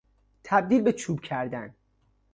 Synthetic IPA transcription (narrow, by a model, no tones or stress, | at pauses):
t̪ʰæb̚d̪iːlbet͡ʃʰuːbcʰæɾd̪æn